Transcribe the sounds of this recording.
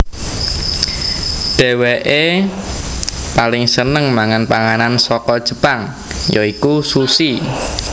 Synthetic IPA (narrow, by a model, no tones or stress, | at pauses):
ɖ̥ɛ̤weʔe | palɪŋsənəŋmaŋanpaŋanansɔkɔd̥ʒ̥ə̤paŋ | jɔikususi